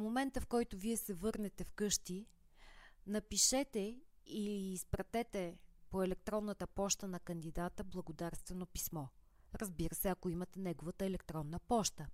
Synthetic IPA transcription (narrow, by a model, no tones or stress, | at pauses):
momɛnt̪əfkɔjt̪oviɛsɛvɤɾnɛt̪ɛfkɤʃt̪i | nɐpiʃɛt̪ɛ | iːspɾɐt̪ɛt̪ɛpoɛlɛk̚t̪ɾɔnːət̪əpɔʃt̪ənɐkənd̪id̪at̪əblˠɐəɡod̪aɾst̪vɛnopismɔ | ɾəzbiɾəsɛɐkoimət̪ɛnɛɡovət̪əɛlɛkt̪ɾɔnːəpɔʃt̪ə